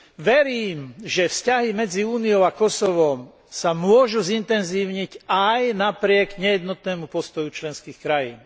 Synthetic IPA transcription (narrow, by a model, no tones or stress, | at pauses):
ʋɛɾiːmʒɛfscaɦimɛd͡ziuːnijɔʊakɔsɔʋɔm | samʊɔʒuzint̪ɛnziːʊɲicajnapɾɪɛɡɲɛjɛd̪nɔt̪nɛːmupɔst̪ɔjut͡ʃlɛnskiːxkɾajḭːn